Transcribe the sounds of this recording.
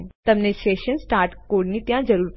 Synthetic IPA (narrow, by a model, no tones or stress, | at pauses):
t̪ɐmneʃeːʃənsʈaːɾʈkoːɖnĩt̪jãd͡ʒɐɾuːɾ